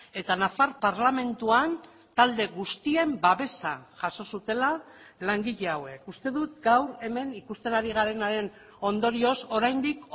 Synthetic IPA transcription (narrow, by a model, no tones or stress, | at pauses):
e̞t̪anafaɾpaɾlame̞nt̪uan | t̪ald̪e̞ɣust̪ie̞mbaβe̞sa̰ʝaso̞sut̪e̞lalaŋɡiʎe̞awe̞kust̪e̞ðut̪ɡawɾe̞me̞nikust̪e̞naɾiɣ̞aɾe̞naɾe̞n | o̞nd̪o̞ɾio̞so̞ɾajnd̪ik